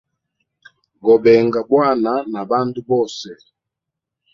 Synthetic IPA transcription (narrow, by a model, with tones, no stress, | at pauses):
ɡɔ˨bɛ˨ŋɡa˨bwa˦˨na˨na˨ba˦n˦du˦bɔ˦˨sɛ˨